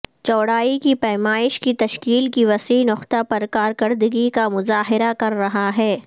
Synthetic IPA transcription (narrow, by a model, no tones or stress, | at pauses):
t͡ʃɔːɽaːikipɛːmaːɪʃkit̪ɐʃkiːlkiʋɐsiːnʊqt̪apɐɾkaːɾkɐɾd̪əɡikamʊzaːɦɪɾakɐɾːɐɦaɦɛː